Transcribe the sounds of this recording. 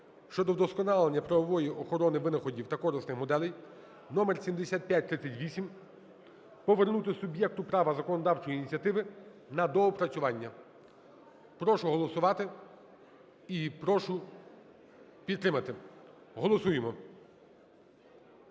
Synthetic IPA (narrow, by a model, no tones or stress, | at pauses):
ʃt͡ʃɔd̪ɔd̪ɔskɔnɑlˠenʲːɐpɾɐʋɔʋɔjiʔɔxɔɾɔnɪʋɪnɐxɔdʲiwt̪ɐkɔɾɪsnɪxmɔd̪ɛlʲɛj | nɔmersʲimd̪esʲat̪̚pʲjat̚ʲt̪ɾɪt͡sʲːɐtʲʋʲisʲim | pɔʋernut̪ɪsʊbjɛk̚t̪ʊpɾɑʋɐzɐkɔnɔd̪ɑwt͡ʃɔjinʲit͡sʲɐt̪ɪʋɪnɐd̪ɔɔpɾɐt͡sʲʊʋɑnʲːɐ | pɾɔʃʊɦɔlˠɔsʊʋɑt̪ɪ | ipɾɔʃʊ | pʲid̪ːɾɪmɐt̪ɪ | ɦɔlˠɔsujemɔ